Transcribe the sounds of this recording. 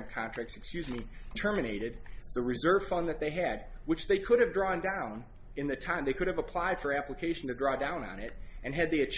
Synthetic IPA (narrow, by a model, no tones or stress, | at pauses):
kʰãntʰɹ̥æk̚tsɨkskjʉzmitʰɜ˞mɨñeɪɾɨd̪̚ðɨɹɨzɜ˞v̥fʌ̃nðɨt̪̚ðeɪɨd̚ | wɨt͡ʃðeɪkʰʊɾɨvdɹɔ̃ndãʊ̃n | ɨ̃nðɨtʰãɪ̃mðeɪkʰʊɾɨvəpʰl̥aɪd̥fə˞æpləkʰeɪʃn̩tɨdɹɔdãʊ̃nə̰̃nɪɾʔɨ̃nɨd̪̚ðiɨt͡ʃʰ